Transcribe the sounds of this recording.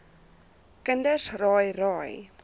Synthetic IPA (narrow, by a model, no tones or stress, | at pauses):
kəndəsrɑːjrɑːj